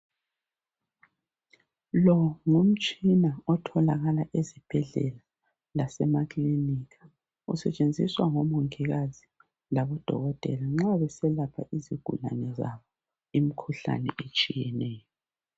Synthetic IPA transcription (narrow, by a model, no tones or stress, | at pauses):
lɔŋum̩t͡ʃʼinaɔtʰɔlaɣalaʔezib̥ʱɛɮɛ̰la | lasɛmakliniːkḁ | ṵsɛt͡ʃʼend͡zʱiswaŋɔmuŋiɣazi | laβɔd̥ʱɔ̰ɣɔtʼɛ̰laŋ͡ǁaβɛsɛlapʰaʔiziɡ̥ʱṵla̰nɛza̰βɔ | imikʰuɬa̰nɛet͡ʃʼijɛnɛːjɔ